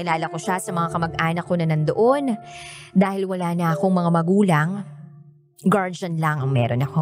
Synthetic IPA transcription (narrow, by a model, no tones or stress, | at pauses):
ɪlaːlɐko̞ʃasɐmɐŋakɐmɐɡʔaːnɐkːo̞nɐnɐnd̪oʔo̞nd̪aːhɪlwɐlaːnɐʔɐko̞ŋmɐŋamɐɡuːlɐŋ | ɡaɹd͡ʒɐnlɐŋɐŋmɛ̰ːɾonɐko